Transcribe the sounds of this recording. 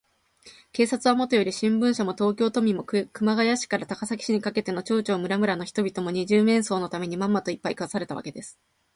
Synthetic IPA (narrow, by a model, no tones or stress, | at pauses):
ke̞ːsat͡sɨβamot̪ojoɾʲiɕĩmbɯ̟̃ɰ̃ɕamo̞t̪o̞ːkʲo̞ːt̪o̞mʲimokɯ̟maɡajaɕi̥kaɾat̪akasakʲi̥ɕiɲ̟ikake̞t̪e̞no̞t͡ɕo̞ːt͡ɕo̞ːmɯ̟ɾamɯ̟ɾanoçi̥t̪o̞bʲit̪o̞mo̞ɲ̟iʑɨːmẽ̞ɰ̃so̞ːno̞t̪ame̞ɲ̟imãmːat̪o̞ipːaikɯβasaɾe̞t̪aβa̰ke̞d̪e̞sɨ̥